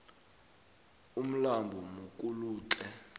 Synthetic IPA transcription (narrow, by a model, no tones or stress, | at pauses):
um̩lambʱɔmukʼuluːt͡ɬʼɛ